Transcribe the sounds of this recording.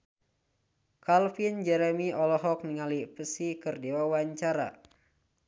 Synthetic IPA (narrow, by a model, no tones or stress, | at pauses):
kalfind͡ʒɛɾɛmiɔlɔɦɔk̚niŋalipəsikɨrdewawaɲt͡ʃaɾa̰